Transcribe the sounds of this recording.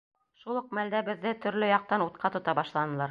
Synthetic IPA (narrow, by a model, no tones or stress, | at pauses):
ʃulˠɤ̆q̚mæld̪æbɘ̆ðːɘt̪ɵ̆ɾlɵjɑq̚t̪ɑnut̪̚qʰɑt̪ŏt̪ɑbɑʃlˠɑnɤ̆lˠɑɾ